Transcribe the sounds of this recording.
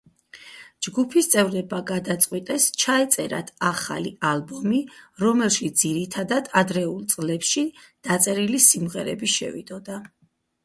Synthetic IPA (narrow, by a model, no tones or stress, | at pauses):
d͡ʒɡupʰist̪sʼɛvɾɛbaɡad̪at̪sʼqʼwit̪ʼɛst͡ʃʰaɛt̪sʼɛɾa̰t̪ʰaχa̰lḭalˠbɔmiɾɔmɛlˠʃisʰd̪ziɾit̪ʰad̪ad̪ad̪ɾɛulˠt̪sʼlɛpʃid̪̥at̪sʼɛɾilisimʁɛɾɛ̰biʃɛ̰vḭd̪ɔd̪a